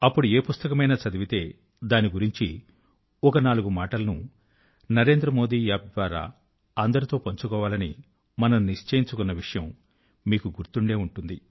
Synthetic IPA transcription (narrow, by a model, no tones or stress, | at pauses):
ɐpːuɽue̞ːpust̪ɐkɐmɐjnɐt͡ʃɐd̪iʋit̪e̞ː | d̪aːniɡuɾiɲt͡ʃi | ɔkɐnaːluɡumaːʈɐlɐnu | nɐɾe̞ːnd̪ɾɐmo̞ːd̪iːjaːp̚d̪ʋaːɾa̰ː | ɐnd̪ɐɾit̪o̞ːpɐɲt͡ʃukɔːʋaːlɐnḭ | mɐnɐnniʂt͡ʃɐjiɲt͡ʃukunːɐʋiʂɐjɐm | miːkuɡuɾt̪uɳɖe̞ːuɳʈund̪i